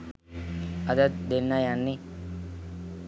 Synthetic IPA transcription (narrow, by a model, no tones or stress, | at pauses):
əd̪ət̪̚d̪enːajanːi